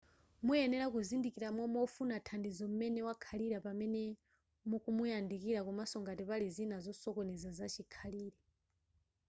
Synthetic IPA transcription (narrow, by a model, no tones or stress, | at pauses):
mujɛnɛɾakuzindikiɾamɔmɔfunatʰandizɔmumɛnɛwakʰaliɾapamɛnɛ | mukumujandikiɾakumasɔŋɡatipalizinazɔsɔkɔnɛzazat͡ʃikʰaliːɾɛ